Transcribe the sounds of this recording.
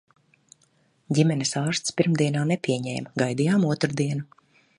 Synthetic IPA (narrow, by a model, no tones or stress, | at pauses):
ɟʲimɛnisaːɾst̪spiɾmd̪iɛnaːnɛpʲiɛɲɛ̰ːjmɡajd̪ijaːmuɔt̪ɾud̪iɛnu